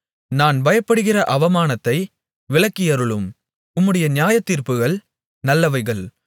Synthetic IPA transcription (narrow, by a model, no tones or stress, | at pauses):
naːnʋɐjɐpːɐɽɯɣɪrɐʔɐʋɐmaːnɐt̪ːɐɪ | ʋɪɭɐkːɪjɐɾɯɭɯm | ʊmːɯɽɐjɐnɪjaːjɐt̪ːiːɾpɯɣɐɭ | nɐlːɐʋɐɪɣɐɭ